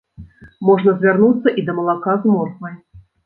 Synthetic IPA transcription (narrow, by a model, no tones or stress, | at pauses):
mɔʐnɐzʲvʲarnut̪sːɐʔid̪ɐmɐlˠakazmɔrsnɐj